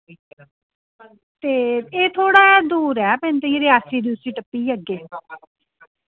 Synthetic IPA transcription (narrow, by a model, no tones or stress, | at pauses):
iːk | t̪eːeːt̪ʰoːɽaːd̪uːɾɛːpɛ̃ːnt̪eiɾɪaːsiːd̪iːʊsĩːʈəpːiːəɡeː